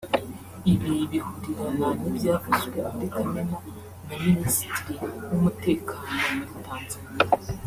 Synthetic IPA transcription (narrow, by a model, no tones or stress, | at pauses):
iβiβihudiɾananibjaːfaʒɡweatekaɲemo | muminisi̥tiwumute̞ːkʰaːnomuɾitaːnzi